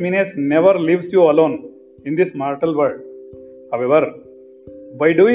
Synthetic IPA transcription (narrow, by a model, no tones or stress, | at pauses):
minesneʋɐɾliʋsjuːɐlõːn | ĩnd̪ismaːɾʈɐlʋəɾɖ | haʋeʋɐɾ | bajɖu